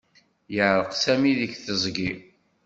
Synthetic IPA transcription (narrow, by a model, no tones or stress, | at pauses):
jəʕɾəqsæmiðəçθəzˤɡi